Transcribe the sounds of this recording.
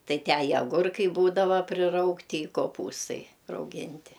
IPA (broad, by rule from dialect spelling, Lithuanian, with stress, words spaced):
ˈtɐɪ ˈtʲæː ɪ ɐˈɡʊrkɐɪ ˈbuːdɐʋɐ pʲrʲɪˈrɐʊktʲɪ ɪ koːˈpuːstɐɪ rɐʊˈɡʲɪnʲtʲɪ